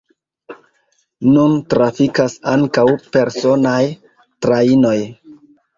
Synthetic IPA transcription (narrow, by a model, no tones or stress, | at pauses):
nuntɾafikasaŋkawpe̞ɾso̞naj | tɾaino̞j